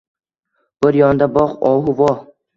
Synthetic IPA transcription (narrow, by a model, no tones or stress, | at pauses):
b̥ɪɾjɒnd̪abɒqɒɦʊvɒ